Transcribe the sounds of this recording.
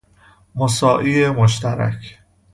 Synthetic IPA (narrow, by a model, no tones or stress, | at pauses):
mosɒːʔiːemoʃt̪æɾæ̰kʰ